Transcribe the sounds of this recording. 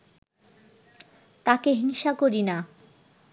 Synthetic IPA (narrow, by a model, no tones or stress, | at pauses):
t̪akeɦiŋʃakoɾina